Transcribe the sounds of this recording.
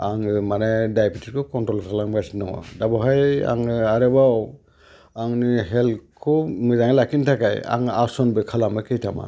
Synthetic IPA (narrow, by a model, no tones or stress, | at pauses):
aŋmanɛdajpʰitʰit̚kʰɔkɔntɔltʰalaŋasinɔŋa̰dabɔɦaja̰ŋɯaɾɛbaw | aŋnɯɦɛlkʰɔmɯzaŋelakʰintʰakaja̰ŋasɔnbɯkʰalamɯkejtʰama̰n